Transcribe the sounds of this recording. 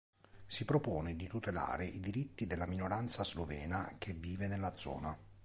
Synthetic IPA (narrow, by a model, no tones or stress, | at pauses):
sipɾopoːned̪it̪ut̪ela̰ːɾeʔid̪iɾit̪ːid̪elːaminoɾant̪sazlovɛ̰ːnak̟ʰevːiːvenelːad̪zɔ̰ːna